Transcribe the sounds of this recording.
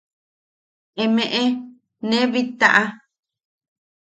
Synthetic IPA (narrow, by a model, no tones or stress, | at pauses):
emẽʔe | nẽβit̪aʔa